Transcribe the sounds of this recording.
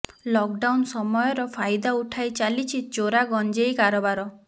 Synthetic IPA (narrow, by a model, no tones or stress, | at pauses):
lɔk̚ɖawnsɔmɔjɔɾɔpʰajd̪auʈʰajt͡ʃalit͡ʃʰid͡ʒoɾaɡɔnd͡ʒejkaɾɔbaɾɔ